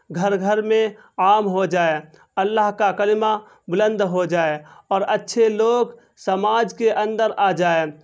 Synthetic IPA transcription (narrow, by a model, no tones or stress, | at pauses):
ɡʱəɾɡʱəɾmẽ | aːmɦod͡ʒaːe | əlːaːɦkakəlɪma | bʊlə̃nd̪ɦod͡ʒaːeɔːɾətːʃʰeloːɡ | səmaːd͡ʒkeʔə̃nd̪əɾaːd͡ʒaːeː